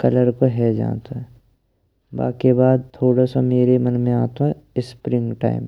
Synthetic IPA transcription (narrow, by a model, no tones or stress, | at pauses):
kɐləɾkoɦɛd͡ʒa̰ːt̪oɦɛ | ba̰ːkebaːd̪̚t̪ʰoːɽasameːɾemɐnmẽaːt̪oɦɛɪspɾɪ̃ŋɡʈa̰ːɪm